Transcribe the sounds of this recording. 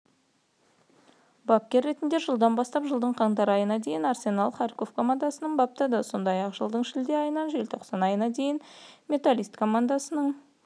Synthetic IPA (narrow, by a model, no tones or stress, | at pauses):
bakʲːe̞ɾːe̞t̪ɪnd̪e̞ʒəlˠd̪ɑnbɑst̪ɑpʒəlˠd̪əɴqʰɑɴd̪ɑɾɑjənɑd̪e̞jɪnaɾsʲe̞nɑlˠχɑrko̞fkʰo̞mand̪asənəɴbɑp̚t̪ɑd̪əso̞nd̪ɑjɑqʒəlˠd̪əɴʃɪld̪eɑjənɑnʒe̞lt̪ʰo̞qsɑnɑjənɑd̪e̞jɪnmʲe̞t̪alijst̪kʰo̞mand̪asənəɴ